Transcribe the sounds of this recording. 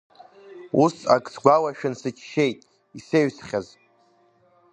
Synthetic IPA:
usa̰kʼsɡʷawaʃᶣɪnsɨt͡ʃʰʃejtʼ | iseɥsχʲaz

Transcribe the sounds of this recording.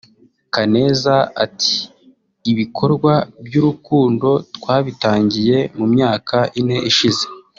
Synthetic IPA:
kane̞ːzaatʰi̥ː | βikʰo̞ɾɡwabjuɾukuːndo̞twaːβitaːɲɟije̞mumɲaːkʰaʔine̞ʔiʃize̞̥

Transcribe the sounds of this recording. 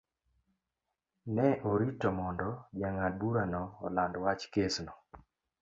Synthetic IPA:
nɛʔoɾitɔmɔndɔd͡ʒaŋabuɾanɔːlandwat͡ʃkesnɔ

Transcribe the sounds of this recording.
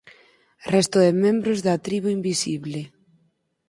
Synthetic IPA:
rɛst̪ʊðɪmɛ̃mbɾozðat̪ɾiβ̞uimbisiβlɪ

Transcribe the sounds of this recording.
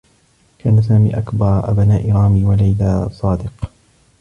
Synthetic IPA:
kʰaːnasaːmiːʔakbɑɾˤʔa̰bnaːʔɪɾˤɑːmiːwalajlaːsˤɑːd̪ɪq

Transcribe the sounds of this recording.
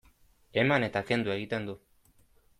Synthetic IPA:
e̞mane̞t̪ake̞nd̪ue̞ɣit̪e̞nd̪u

